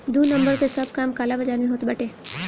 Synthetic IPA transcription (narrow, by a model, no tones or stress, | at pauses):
d̪uːnɐ̃mbəɾkesɐb̚ʱkaːmkaːlabɐd͡ʒaːɾmẽɦoːt̪bɐʈeː